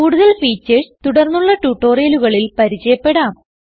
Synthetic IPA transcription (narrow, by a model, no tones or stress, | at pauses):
kuːɽuðɐɭfiːt͡ɕːɐst̪uɽɐrnːuɭːɐʈuːʈːo̞ːrijɐluɣɐɭilpɐɾit͡ɕɐjɐpːe̞ɽaːm